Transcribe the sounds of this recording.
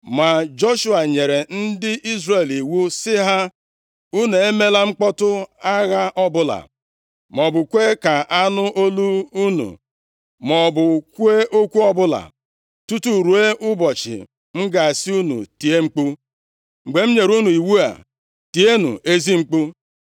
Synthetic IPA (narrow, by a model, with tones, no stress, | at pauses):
ma˨d͡ʒɔ˦ʃu˦a˨ɲe˨ɾe˨n̩˦dɪ˦ʔi˦zre˨li˨wu˦sɪ˦ɦa˦ | u˦ne˨e˦me˦la˦ŋ͡m̩˦k͡pɔ˦tʊ˦a˦ɣa˦ʔɔ˦bʊ˦la̰˨ | mɔ˨bʊ˨kʷe˦ka˨ʔa˦nʊ˦ʔo˦lu˦u˦nṵ˨ | mɔ˨bʊ˨ku˦e˦ʔo˦kʷu˦ɔ˦bʊ˦la̰˨ | tu˦tu˦˨ɾu˨e˦ʔʊ˦bɔ˨t͡ʃɪ̰˨ | ŋ͡m̩˦ɡa˨si˦u˦nṵ˨ti˨e˦ŋ͡m̩˦k͡pu˦ | ŋ͡m̩˨ɡ͡be˨m̩˦ɲe˨ɾu˦nu˨i˨wu˦a̰˨ | ti˨e˦nṵ˨ʔe˦zi˦ŋ͡m̩˦k͡pu˦